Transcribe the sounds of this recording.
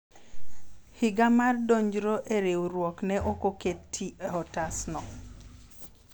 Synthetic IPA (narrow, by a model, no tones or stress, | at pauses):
hɪɡamardoɲd͡ʒɾoʔeɾewɾwɔknɛʔokoketʰːieɔtasnɔ